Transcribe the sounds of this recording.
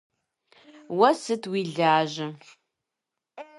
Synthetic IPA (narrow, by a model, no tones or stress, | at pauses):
wɐsɨtʰwiːɮaːʑɐ